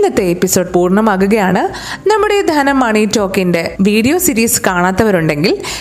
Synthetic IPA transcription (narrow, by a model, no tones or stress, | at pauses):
nːɐt̪ːeepːiso̞ːɖpuːrɳɐmaːkuɣɐjaːɳɨ | nɐmːuɽe̞d̪ʱɐːnɐmːɐːɳitːo̞ːkːinde̞ʋiːɽijo̞ːsiɾiːskaːɳaːt̪ːɐʋɐɾuɳɖe̞ŋɡil